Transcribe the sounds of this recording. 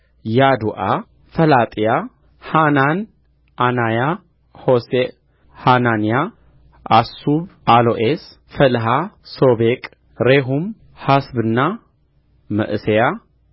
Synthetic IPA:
jad̪uʔa | fɐlat̪ʼija | hanan | ʔanaja | hose | hananja | ʔasuβʔaloʔes | fɐlɦasobekʼ | ɾeɦum | hasbɨnːa | mɐ̰ʔɨseja

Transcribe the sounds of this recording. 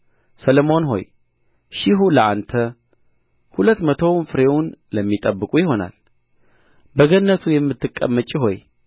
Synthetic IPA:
səlomo̞nɦo̞̰j | ʃɪɦuləʔa̰nt̪ʰə | hulət̪ːmət̪ʰo̞wnfɨɾe̞wʊnləmːit̪ʼəbːɨkʼujɪɦo̞na̰l | bəɡənːət̪ʰujɛmːɨt̪ʰːɨkʼːə̰mːət͡ʃʼːiɦo̞j

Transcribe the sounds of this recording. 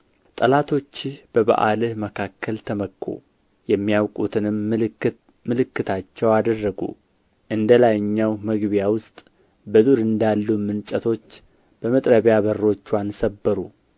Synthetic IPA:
t̪ʼəlat̪ʰo̞t͡ʃːɪhb̥əba̰ʔa̰lɨhməkʰakʰːəlt̪ʰəməkʰːṵ | jɛmːijawkʼut̪ʰɨnɨm | mɨlɨkːɨt̪ʰat͡ʃːɛwad̪ərːəɡṵ | ʔɨnd̪əlajɨɲːawməɡβijawʊst̪ʼ | bəzuɾɨnd̪alːumɨnt͡ʃʼət̪ʰo̞t͡ʃː | b̥əmət̪ʼɾəβjaβərːo̞t͡ʃːwansəbːəɾu

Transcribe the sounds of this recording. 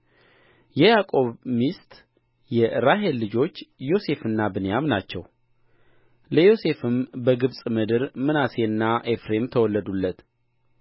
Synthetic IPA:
jɛjakʼo̞βmist̪ʼ | jɛɾaɦe̞lːɨd͡ʒo̞t͡ʃːjo̞se̞fɨnːabɨnjamnat͡ʃːɛw | ləjo̞se̞fɨmbəɡɨβsʼmɨd̪ɨɾmɨnase̞ɨnːaʔe̞fɾe̞mt̪ʰəwɔlːəd̪ulːət̪

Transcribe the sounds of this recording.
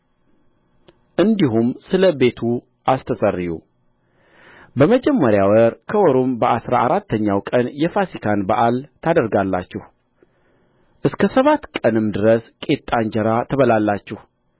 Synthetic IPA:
ʔɨnd̪iɦumsɨləbe̞t̪ʰu | ʔast̪ʰəsərːijṵ | bəməd͡ʒɛmːəɾjawəɾkʰəwɔɾombəʔasɾa̰aɾat̪ːəɲːawkʼənjɛfasikʰanbaʔalt̪ʰad̪əɾɡalːa̰t͡ʃːɪh | ʔɨskʰəsəβat̪kʼənɨmd̪ɨɾəskʼe̞t̪ʼːaɲd͡ʒəɾat̪ʰəβəlalːat͡ʃːɪh

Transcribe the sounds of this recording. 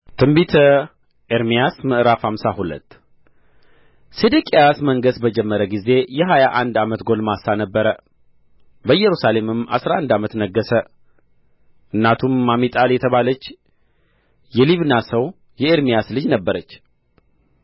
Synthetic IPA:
t̪ʰɨmbit̪ʰə | ʔeɾmijasməʔɾafhamsahulə̰t̪ː | sed̪ikʼejasməŋɡəsbəd͡ʒɛmːəɾəɡize̞jɛɦajaʔand̪amət̪ɡo̞lmasːanəbːəɾə | bəjːɛɾusale̞mɨma̰sɾaand̪amət̪nəɡːəsə | ʔɨnːat̪ʰumːamit̪ʼaljɛt̪ʰəβalət͡ʃː | jɛliβnasəw | jɛeɾmijaslɨd͡ʒnəbːəɾət͡ʃː

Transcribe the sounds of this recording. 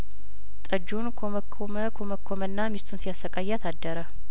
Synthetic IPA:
t̪ʼəd͡ʒːunkʰoməkʰːoməkʰoməkːomənːamist̪ʰunsijasːəkʼajːɛat̪ʰad̪ːəɾə

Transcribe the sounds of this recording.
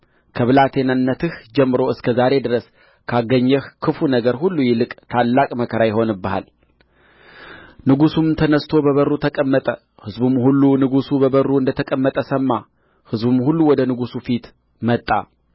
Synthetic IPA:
kʰəβɨlat̪ʰe̞nanːət̪ɨhd͡ʒɛmːɨɾo̞ɨskʰəzaɾe̞d̪ɨɾəs | kʰaɡːəɲːɛhkʰɨfunəɡəɾhulːujɪlɨkʼt̪ʰalːakʼməkʰəɾajɪɦo̞nɨbːəha̰l | nɨɡusumt̪ʰənəst̪ʰo̞bəβərːut̪ʰəkʼəmːət̪ʼə | hɨzbumhulːunɨɡusubəβərːuɨnd̪ət̪ʰəkʼəmːət̪ʼəsəmːa | hɨzbumhulːuwɔd̪ənɨɡusufit̪ | mət̪ʼːa̰

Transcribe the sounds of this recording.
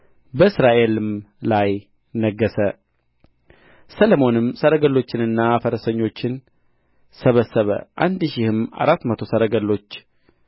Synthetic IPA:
bəɨsɾaʔe̞lɨmlaj | nəɡːəsə | sələmo̞nɨmsəɾəɡəlːo̞t͡ʃːɪnɨnːafəɾəsəɲːo̞t͡ʃːɪn | səβəsːəβə̰ʔa̰nd̪ʃɪhɨma̰ɾat̪ːmət̪ʰo̞səɾəɡəlːo̞t͡ʃː

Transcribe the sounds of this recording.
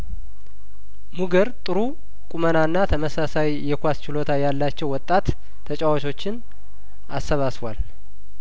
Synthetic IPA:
muɡəɾt̪ʼɨɾu | kʼumənanːat̪ʰəməsasajjɛkʷast͡ʃɪlo̞t̪ʰajalːat͡ʃːɛwɔt̪ʼːat̪ʰː | ət͡ʃʼawat͡ʃʰo̞t͡ʃːɪn | ʔasːəβasβal

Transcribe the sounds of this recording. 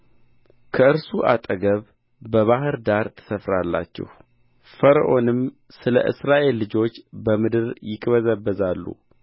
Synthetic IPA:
kʰəɨɾsuʔat̪ʼəɡəβ | bəβaɦɨɾd̪aɾt̪ʰɨ̥səfɾalːa̰t͡ʃːɛ̰h | fəɾəʔo̞nɨm | sɨlə̰ʔɨ̰sɾaʔe̞lːɨd͡ʒo̞t͡ʃːbəmɨd̪ɨɾjɪkʼβəzəbːəzalːṵ

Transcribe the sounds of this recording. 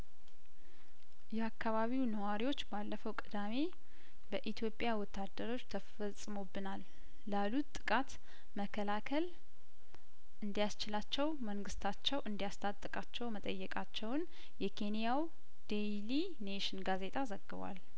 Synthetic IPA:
jɛakʰːaβaβiwnəwaɾiwo̞t͡ʃːbalːəfəwkʼɨd̪ame̞ | bəʔit̪ʰjo̞pʼjawɔt̪ːad̪ːəɾo̞t͡ʃːt̪ʰəfəsʼɨmo̞bːɨnalː | alut̪t̪ːʼɨ̥kʼat̪ | məkʰːəlakʰəl | ʔɨnd̪ijast͡ʃɪlat͡ʃːɛwməŋɡɨst̪ʰat͡ʃːɛwʔɨnd̪ijast̪ʰat̪ʼɨkʼat͡ʃːɛwmət̪ʼəjːɛkʼat͡ʃːɛwn | jɛkʰe̞nijaw | d̪̥ejli | neʃɪnɡaze̞t̪ʼazəɡːɨβa̰l

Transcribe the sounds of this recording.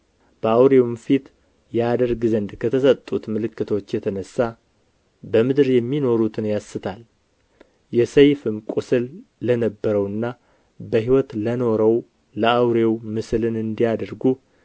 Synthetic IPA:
b̥əawɾewumfit̪ | jɛad̪əɾɡɨzənd̪kʰət̪ʰəsət̪ʼːut̪mɨlɨkːɨt̪ʰo̞t͡ʃːjɛt̪ʰənəsːa | bəmɨd̪ɾjɛmːino̞ɾut̪ʰɨnjasːɨt̪ʰal | jɛsəjfɨmkʼusɨlːənəbːəɾəwɨnːa | bəɦiwɔt̪ləno̞ɾəw | ləawɾewmɨsɨlɨnɨnd̪ijad̪əɾɡu

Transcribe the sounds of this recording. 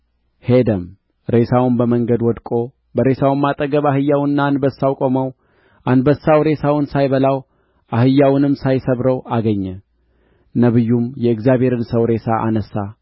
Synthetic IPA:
he̞d̪əm | ɾe̞sawmbəməŋɡəd̪wɔd̪kʼo̞ | bəɾe̞sawmːat̪ʼəɡəβahɨjːawɨnːaːnbəsːawkʼoməw | ʔanbəsːawɾe̞sawɨnsajβəlaw | ʔahɨjːawnɨmsajsəβɾəwaɡəɲːɛ | nəβɨjːumjɛɨɡzjaβhe̞ɾɨnsəwɾe̞saʔa̰nəsːa

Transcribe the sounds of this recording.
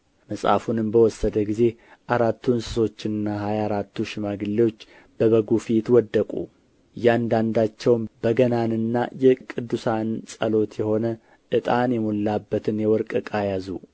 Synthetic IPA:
məsʼa̰funɨmbəwɔsːəd̪əɡize̞ʔaɾat̪ʰːunsɨ̥so̞t͡ʃːɪnɨnːaɦajaɾat̪ʰːuʃɪmaɡɨlːiwo̞t͡ʃː | b̥əβəɡufit̪wɔd̪ːəkʼṵ | jɛand̪and̪at͡ʃːɛwmb̥əɡənanɨnːa̰jɛkʼɨd̪ːusansʼəlo̞t̪ʰjɛho̞nə | ʔɨt̪ʼanjɛmolːabːət̪ʰɨnjɛwɔɾkʼɨkʼajazu

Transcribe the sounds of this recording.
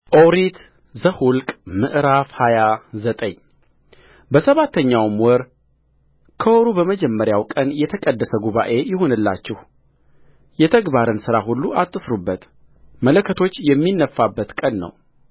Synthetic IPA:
ʔowɾit̪ | zəhʊlkʼmɨʔɾafhajazət̪ʼəɲ | bəsəβat̪ːəɲːawmwɔɾ | kʰəwɔɾubəməd͡ʒɛmːəɾjawkʼənjɛt̪ʰəkʼəd̪ːəsəɡuβaʔe̞jɪɦo̞nɨlːa̰t͡ʃːɪh | jɛt̪ʰəɡbaɾɨnsɨɾahulːuʔat̪ʼːɨsɾubːət̪ | mələkʰːət̪ʰo̞t͡ʃːjɛmːinːəfːabːət̪kʼənːə̰w

